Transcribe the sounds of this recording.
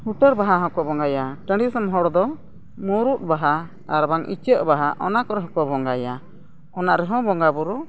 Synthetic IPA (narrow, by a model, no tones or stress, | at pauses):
huʈəɾbaɦaɦɔ̃kɔbɔŋɡajaʈəɳɖisəmɦɔɽd̪ɔ | muɾuʔ̪̚ˀbaɦa | aɾbaŋʔḭt͡ʃəʔbaɦaʔɔnakɔɾɛɦɔ̃kɔbɔŋɡaja | ɔnaʔɾɛɦɔ̃bɔŋɡabuɾu